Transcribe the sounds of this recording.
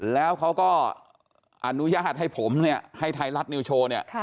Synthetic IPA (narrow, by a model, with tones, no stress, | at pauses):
lɛː˦˥wkʰa˦˥wkɔː˥˩ | ʔa˧nu˦˥jaː˥˩t̪̚ha˥˩jpʰo˩˦mni˥˩ɐha˥˩jt̪ʰa˧jɾa˦˥t̪̚ni˧wt͡ɕʰoː˧ni˥˩ɐ